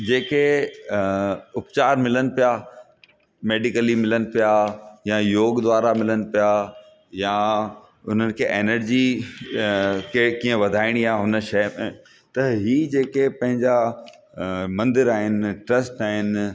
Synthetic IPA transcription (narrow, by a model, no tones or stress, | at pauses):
d͡ʑeːke | ʊpt͡ɕaːɾmɪlənɪ̆pija | meːɖɪkəlimɪlənɪ̆pijajãjoːɡd̪ʋaːɾamɪlənɪ̆pija | jã | ʊn̤ənɪ̆kʰeːʔeːnəɾd͡ʑi | kʰekĩːə̃ʋɐd̪ʱaːɪɽ̃iaɦʊnə̆ʃɐːmḛ̃ | t̪ɐɦiːd͡ʑeːkepɐ̃ɦɪ̃ɲd͡ʑa | mɐ̃nd̪ɪɾaːɦɪnɪ̆ʈɾɐsʈaːɦɪnɪ̆